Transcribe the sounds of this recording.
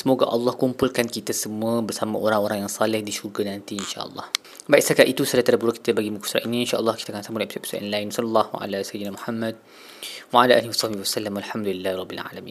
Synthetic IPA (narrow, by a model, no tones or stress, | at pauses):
səmoɡaʔɑlːɑhkumpulkankit̪asəmũəbərsamaʔoɾaŋoɾaŋjaŋsalɪhdiʃuɡanant̪iinʃa̰ʔə̰lːɑ̰h | bajt̪sakaʔit̪usadat̪aɾabuɾuki̥t̪abaɡimuku̥sɾa̰ʔiniinʃaʔəlːɑhkit̪akansamʊlɛpispi̥saʔɔ̰nlajnwsɔlɑlˤːɑhwa̰ʔa̰lasajid̪ənamuħamːad̚ | waʕalaʔa̰ːliwasˤɑhbiwasalːamwalħamd̪ulilːahɾˤɑbːilʕa̰lamḭn